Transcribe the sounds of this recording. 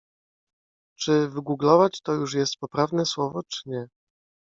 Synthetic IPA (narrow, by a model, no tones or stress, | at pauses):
t͡ʂɘvɘɡuɡlɔvat͡ɕt̪ɔjuʂjɛst̪̚pɔpɾavnɛswɔvɔt͡ʂɘ̥ɲɛ